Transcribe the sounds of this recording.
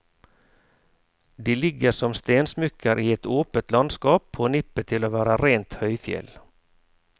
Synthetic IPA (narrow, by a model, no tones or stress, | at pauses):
d̪eːlɪɡːəʂɔmst̪eːnsmʏkʰːəɾʔiːɛt̪oːpət̪lɑnd̪skɑːpʰoːnɪpːət̪ʰɪloːʋæːɾaɾeːnt̪hœʏfjɛ̰l